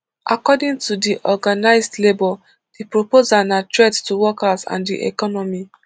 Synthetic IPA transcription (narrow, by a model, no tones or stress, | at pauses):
ʔa̰kɔdĩŋtudiʔɔɡanaɪzdlebɔ | d̥ipɹopozanatɹedtuwɔkazã̰ndḭʔɛ̰kɔnɔmi